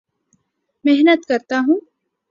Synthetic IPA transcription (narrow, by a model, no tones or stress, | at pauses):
meɦnət̪kɐɾt̪aɦũː